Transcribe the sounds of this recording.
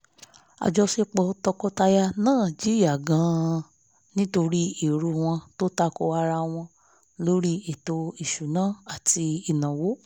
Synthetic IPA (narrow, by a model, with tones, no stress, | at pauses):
a̰˨d͡ʒɔ˧se˦˧k͡pɔ˧tɔ˧kɔ˧ta˧ja˧nãː˦˨d͡ʒi˨˦ɾi˦a˨ɡã˨˧˦ | nĩ˦to˧ɾi˦i˨ɾu˧w̃ɔ̃˧to˦ta˦˧ko˧a˧ɾa˧w̃ɔ̃˧ | lo˦ɾi˦e˨to˧i˨ʃu˨nãː˨˦˨a˨ti˧i˨nã˨wo˨˦